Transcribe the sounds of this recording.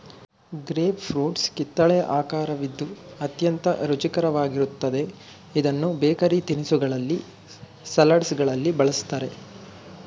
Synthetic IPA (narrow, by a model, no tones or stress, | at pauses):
ɡɾeːʋpʰɾuːʈskit̪ːɐɭɛjɐʔaːkaːɾɐʋid̪ːuɐt̪jɐnt̪ɐɾut͡ʃikɐɾɐʋaːɡiɾut̪ːɐd̪e̞ | id̪ɐnːubeːkɐɾit̪inisuɡɐɭɐlːi | sɐlɐɖsɡɐɭɐlːibɐɭɐst̪aːɾe̞